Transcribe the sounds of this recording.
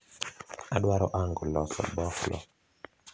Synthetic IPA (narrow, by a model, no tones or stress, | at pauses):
aɗwaɾɔ̰ʔaŋɡɔlɔsɔ̰bɔklɔ̰